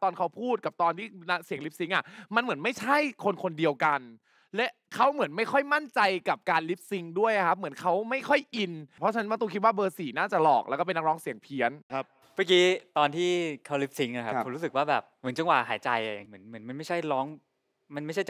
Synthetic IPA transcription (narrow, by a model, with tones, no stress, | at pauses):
t̪ɔː˧nkʰa˦˥wpʰuː˥˩t̪̚ka˨˩p̚t̪ɔː˧nt̪ʰiː˥˩na˦˥ksi˨˩˦əŋli˦˥p̚si˦˥ŋʔa˧˩ma˧nmɯ˨˩˦ənma˥˩jt͡ɕʰa˥˩jkʰo˧nkʰo˧ndi˧əwka˧n | lɛ˦˥ | kʰa˦˥wmɯ˨˩˦ənma˥˩jxʰɔ˥˩jma˥˩nt͡ɕa˧jka˨˩p̚kaː˧nli˦˥p̚si˦˥ŋdu˥˩əja˧kʰa˦˥p̚mɯ˩˦ə˦nkʰa˦˥wma˥˩jkʰɔ˥˩jʔi˧nʰɔ˧˦t͡ɕʰa˧n˦˥m˧nt̪ɔ˥˩kʰi˦˥t̪̬̚waː˥˩bɤː˧siː˩˦naː˥˩t͡ɕa˨˩lɔ̰ː˨˩k̚lɛ˦˥kɔː˥˩pe˧nːa˦˥k̚lɔː˦˥ŋsi˨˩˦əŋpʰi˦˥ən˦˥p̚ | ma˦˧˩kiː˦˥t̪ɔː˧nt̪ʰiː˥˩kʰa˦˥wli˦˥p̚si˦˥ŋa˧kʰa˦po˨˦ɾu˦sɯ˨˩k̚waː˥˩bɛ̰ː˨˩p̚mɯ˩˦nt͡ɕɯ˥˧˩kwaː˨˩ɦa̰ː˩˦jt͡ɕa˧ja˧˩a˨˩ŋmɯ˩˦ə˦nmɯ˩˦nma˧nma˥˩jt͡ɕʰa˥˩jlɔː˦˥ŋ | ma˧na˥˩jʰ